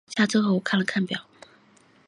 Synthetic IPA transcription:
ɕja˥˧ʈ͡ʂo˥xo˥˧˩wkʰa˥˩nlə˩kʰa˥˩npjɑ˨˩˦ʊ

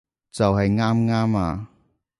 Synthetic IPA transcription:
t͡sɐ˨wɦɐ˨jŋaː˥mŋaː˥maː˨˧

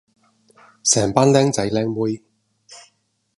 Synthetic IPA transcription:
sɛː˨˩ŋpaː˥nlɛː˥ŋt͡sɐ˨˥jlɛː˥ŋwu˥j

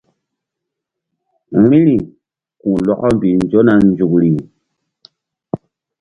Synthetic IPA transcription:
ɾĩ˦ɾi˨ | kũ˨lɔ˦kɔ˦mbi˨nd͡ʒo˦na˨nd͡ʒu˨kɾi˨

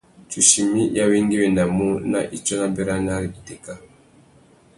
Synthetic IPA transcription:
t͡ʃu˨ʃi˨mi˦ja˦wi˦ŋɡi˦wɛ˨na˨mu˦na̰˨ʔi˨t͡ʃɔ˦na˦bɛ˦ɾa˦na˦ɾi˨i˨tɛ˨ka˦

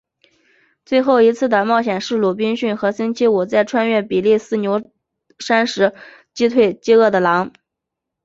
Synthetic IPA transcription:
t͡swe˥˧ɪxo˥˩ʊi˧˥t͡sʰɹ̩˥˩d̪ə˩mɑ˥˩ʊɕjɛ˨˩nʂɻ̩˥˧lu˥˩p̬i˥nɕy˥˩nxɤ˧˥sə˥nt͡ɕʰi˥wu˨˩t͡sa˥˩ɪʈ͡ʂʰwa˥nɥɛ˥˩pi˨˩li˥˩sɹ̩˥˩njo˧˥ʊ | ʂa˥nʂɻ̩˧˥ | t͡ɕi˥t̪ʰwe˥˩ɪt͡ɕi˥ɤ˥˩d̪ə˩lɑ˧˥ŋ

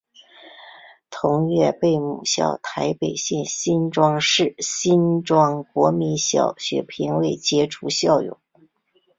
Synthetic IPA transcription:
t̪ʰʊ˧˥ŋɥɛ˥˧pe˥˩ɪmu˨˩ɕjɑ̰˥˩ʊt̪ʰa˧˥ɪpe˨˩ɪɕjɛ˥˩nɕi˥nʈ͡ʂwɑ˥ŋʂɻ̩˥˩ɕi˥nʈ͡ʂwɑ˥ŋkwɔ˧˥mi˧˥nɕjɑ˨˩ʊɕɥɛ̰˧˥pʰi˧˥nwe˥˩ɪt͡ɕjɛ˥ʈ͡ʂʰu˧˥ɕjɑ˥˩ʊjʊ̰˨˩˦

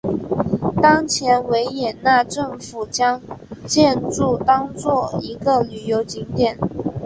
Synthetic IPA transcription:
t̪ɑ˥ŋt͡ɕʰjɛ˧˥nwe˧˥ɪjɛ˨˩nna˥˧ʈ͡ʂɤ˥˩ŋfu˨˩t͡ɕjɑ˥ŋt͡ɕjɛ˥˧nʈ͡ʂu˥˩t̪ɑ˥ŋt͡swɔ˥˩i˧˥ɡə˧˨ly˨˩jo˧˥ʊt͡ɕi˧˥ŋt̪jɛ˨˩˦n

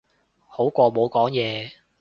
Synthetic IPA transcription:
ho˨˥wkʷɔː˧mo˨˧wkɔː˨˥ŋjɛː˨˧

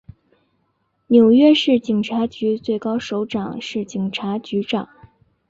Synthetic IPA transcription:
njo˨˩ʊɥɛ˥˧ʂɻ̩˥˩t͡ɕi˨˩ŋʈ͡ʂʰa˧˥t͡ɕy˧˥t͡swe˥˩ɪkɑ˥ʊʂo˧˥ʊʈ͡ʂɑ˨˩ŋʂɻ̩˥˩t͡ɕi˨˩ŋʈ͡ʂʰa˧˥t͡ɕy˧˥ʈ͡ʂɑ˨˩˦ŋ

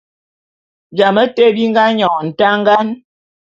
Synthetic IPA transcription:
d͡ʒa˨mə˦te˦˨bi˦ŋ˦ɡa˦ɲɔ˨n̩˨ta˦ŋ˦ɡa˦n

